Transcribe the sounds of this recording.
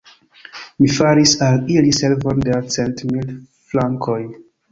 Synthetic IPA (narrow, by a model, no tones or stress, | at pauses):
mifaɾisaliliselvondet͡sentmild | flaŋkʰoj